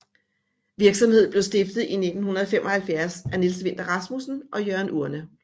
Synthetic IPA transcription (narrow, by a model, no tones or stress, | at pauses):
ʋiɐɡ̥sɒ̽mhe̝ð̞̰ˠb̥le̝ʊsd̥e̝fd̥ð̩ˠine̝d̥n̩hunɐð̩ˠfem̰ʔɒ̽hælfjæɐsænelsəʋe̝n̰d̥ɐʁɑ̈smusn̩ʔɒ̽jœɐnʔuɐnə